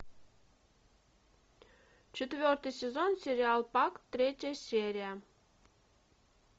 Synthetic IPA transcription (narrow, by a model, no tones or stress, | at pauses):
t͡ɕet̪vʲørt̪ɨjsʲezonsʲeɾʲɪɑlˠpɑkt̪ːɾʲetʲasʲeɾʲijə